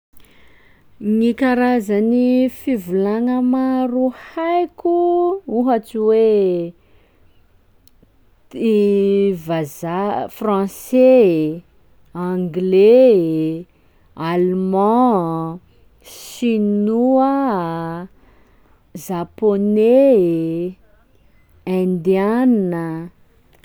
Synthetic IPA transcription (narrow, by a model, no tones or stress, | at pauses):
ŋikaɾazanifivulaŋəmaruhajkʲuuɦat͡siwe | ivazafrɑ̃se | ãŋɡle | almɑ̃ | ʃinuə | zapone | ɛ̃nd̪ianə